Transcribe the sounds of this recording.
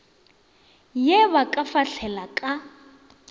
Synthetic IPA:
jɛβakʼafaɬʰɛlakʼa

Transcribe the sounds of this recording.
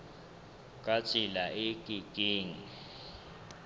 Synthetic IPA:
kʼat͡ʃʼilaikʼiɡ̥ʱʼiːŋi

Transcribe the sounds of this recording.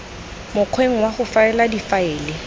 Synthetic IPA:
mʊq͡χʰweŋ̩waχʊfaɛladifaɛːlɪ

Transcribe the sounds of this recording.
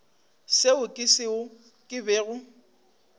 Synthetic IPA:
seʊkʼɪsɪʊ | kʼɪbeːɣʊ

